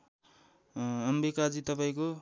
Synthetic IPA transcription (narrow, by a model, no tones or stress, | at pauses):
ʌmbikad͡zit̪ʌpaĩko